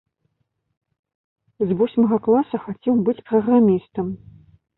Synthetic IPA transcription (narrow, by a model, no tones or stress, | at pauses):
zvɔsʲmɐɣɐklˠasɐxat͡sʲɛwbɨt͡sʲpɾɐɣramʲist̪ɐm